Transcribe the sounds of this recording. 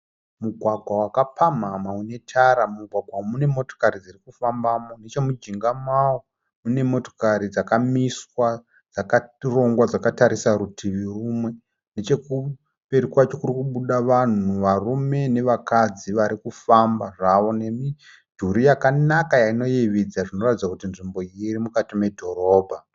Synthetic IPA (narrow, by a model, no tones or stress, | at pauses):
muɡʱwaɡʱwawakapʰamamaune̞tʰaɾamuɡʱwaɡwamune̞mo̞to̥kaɾid͡zirikufambamo̞net͡ʃemud͡ʒiŋɡamawo | mune̞mo̞to̞kaɾid͡zakamiswa | d͡zakaro̞ŋɡwad͡zakataɾisaɾutʰiʋirumwe̞ | net͡ʃe̞ku | pe̞ɾikwat͡ʃo̞kuɾikuɓuɗaʋan̤uʋarume̞ne̞ʋakad͡ziʋaɾikufambaʐaʋo̞ne̞mi | dʱuɾijakanakajaino̞jeʋid͡zaʐino̞ratid͡zakutinʐimbo̞jiɾimukatime̞dʱo̞ɾo̞ːbʱa